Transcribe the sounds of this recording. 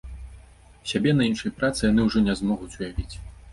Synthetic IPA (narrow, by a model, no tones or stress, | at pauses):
sʲabʲɛnɐinʂɐjpɾat̪sɨjanɨwuʐɔnʲɛzmɔɣut͡sʲujavʲit͡sʲ